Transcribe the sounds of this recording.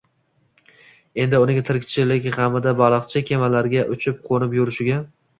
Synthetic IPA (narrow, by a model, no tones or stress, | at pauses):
e̞nd̪ɪʊnɪŋt̪ʰɪɾkʲt͡ʃʰɪlɪkʲhamɪd̪abɑlˠɨqt͡ʃʰɪkʲʰe̞malaɾɡʲaʔʊt͡ʃʰɪp̚qʰonɪpjʊɾɪʃɪɡʲa